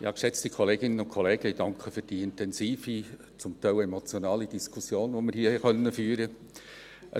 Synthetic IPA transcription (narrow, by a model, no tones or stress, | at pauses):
ɪhɑkʃɛt͡stikʰɔleːɡɪnənʊnkʰɔleːɡ̥əid̥ɑŋkʰχəfyːɾd̥iːɪntɛnsiːfi | t͡sʊmtʰaɪlɛmɔt͡sjonɑːlidiskʰʊsjoːnʋomɪɾɦiːhɛχœnːəfyːɾə | ʔə